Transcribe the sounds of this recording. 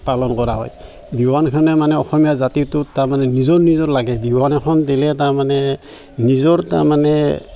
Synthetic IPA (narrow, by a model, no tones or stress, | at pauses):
palɔnkɔɹaɦɔ̰j | biwankʰanɛmanɛɔxɔmijazatitʊtaɹmanɛnizɔɹnizɔɹlaɡɛbiwanɛkʰɔndilɛtaɹmanɛ | nizɔɹta̰ɹmanɛ